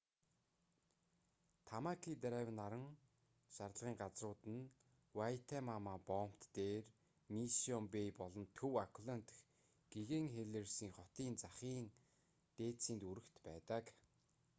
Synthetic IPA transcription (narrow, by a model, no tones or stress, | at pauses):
t̪ʰamakʰit̪ɾaw̆naɾə̆ŋ | ʃaɾəɮʁiːŋɢat͡srʊːt̪ɘ̆n | wajʰt̪ʰemamapɔm̥t̪ːeːr | misɔmpejpɔɮɞ̆nt̪ʰɵwakʰɮan̥t̪̆x | ɡ̥eɣeŋxeɮĕrsiːŋχɔt̪iːnt͡saχiːŋ | t̪eːsiːnt̪uɾɘ̆kt̪pæːt̪ə̆k